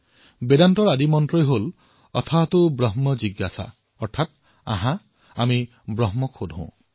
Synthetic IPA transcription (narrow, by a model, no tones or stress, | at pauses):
bedanʈɔɾad̪imɔntɾɔjɦol | ɔ̰t̪ʰɔbat̪ubɾɔɦmɔd͡ʒiɡasa̰ | ɔɾt̪ʰat̪̚ | a̰ɦã | ami | bɾɔɦmɔkʰod̪ʱõ̰